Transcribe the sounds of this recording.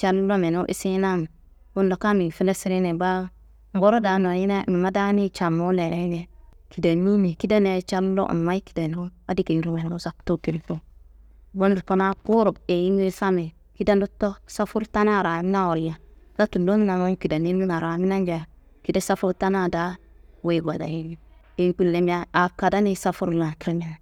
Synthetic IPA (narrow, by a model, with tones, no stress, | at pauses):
t͡ʃa˦ɾlo˦mɛ˨no˦ʔḭ˦si˦na˦m˨ | bo˦n˦do˨ka˦mi˨fi˦ne˦si˦ɾi˦nɛ˨ba˦ | ŋ̩˨bɔ˦ɾo˦da˨no˨ji˦na˦˨mi˨ma˦da˦ni˦t͡ʃa˨mo˦lɛ˨ɾɛ˦ɲɛ˦ | ki˨da˨nu˦mi˨ki˦da˦ne˨˦t͡ʃa˦ɾlo̰˦ʔmmːa˦i˦ki̥˨da˨no˦ba˦di˦ki˨n˨˦ɾu˦wɛ˨n˨o˦sa˦kto˦ki˨ɾi˦po˦ | bo˦n˨ɾpa˦na˦kʊ˦ɾʊ˨be˨ji˦n˦e˦sa˦me˨ | ki˦da˦ndu˦tːo˦sa˦fu˦ɾta˦na˦˨ɾa˨˦m˦na˦wɔ˨ɾja˨la˦tu˨do˦mi˦na˨ma˦ki˨da˨ni˦nu˦na˨ɾa˨˦mi˦na˦nd͡ʒa˨ | ki˦da˦sa˦fu˦ɾta˦na˦˨da˦ | we˨ɡa˨da̰˨ji˦n˦ | e˨˦k͡pi˦lle˦m˦a˦a˨ka˨da˦ni˦sa˦fu˦ɾla˨ki˦ɾm˦a˦˨